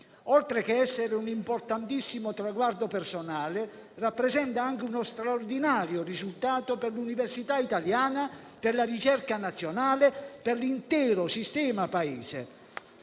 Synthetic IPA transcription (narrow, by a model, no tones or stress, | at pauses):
ɔlt̪ɾek̟eɛsːeɾɪunimport̪ant̪isːimot̪ɾaɡward̪opersonaːle | rapːɾɛzɛnt̪aaŋk̟ɪunost̪ɾaord̪inaːɾjorizult̪aːt̪operluniversit̪ait̪aljaːna | pɪrlarit͡ʃɛrkanat̪sːjonaːleperlint̪ɛːɾosist̪ɛːmapaiːzḛ